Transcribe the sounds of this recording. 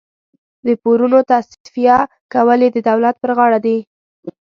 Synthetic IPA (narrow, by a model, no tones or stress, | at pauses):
d̪əpoɾunot̪as | fija | kawəled̪əd̪awlat̪̚pəɾɣɑɽad̪i